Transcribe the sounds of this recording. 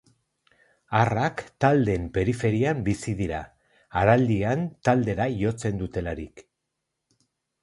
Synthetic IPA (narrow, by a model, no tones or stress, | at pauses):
arakt̪ald̪e̞mpe̞ɾife̞ɾiambisiðiɾa̰ː | ɾald̪iant̪ald̪e̞ɾajo̞t͡se̞nd̪ut̪e̞laɾik